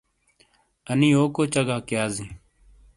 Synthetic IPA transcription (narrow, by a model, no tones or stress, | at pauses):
əniːoːkoːt͡ʃəɡaːkjaːzĩː